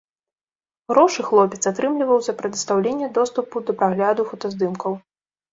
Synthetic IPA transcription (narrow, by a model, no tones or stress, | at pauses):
ɣɾɔʂɨxlˠɔpʲɛt̪sat̪ɾɨmlʲivɐwzʲɐpɾɛd̪ɨst̪awlʲenʲːɛd̪ɔst̪upud̪ɐpɾaɣlʲad̪ufɔt̪ɐzd̪ɨmkɐw